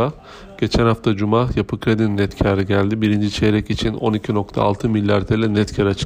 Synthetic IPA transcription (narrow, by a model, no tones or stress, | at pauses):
a | ɟ̥e̞t͡ʃʰænhaft̪ʰad͡ʒumaːjapʰɯkʰɾed̪innɛt̪cʰaɾɯɟælʲd̪ibiɾind͡ʒit͡ʃʰeɾɛcit͡ʃʰino̞̰nicʰino̞kt̪ʰa̰ːlˠt̪ʰɯmilʲːjaɾt̪ʰelʲɛnɛt̪cʰaɾat͡ʃʰɯ̥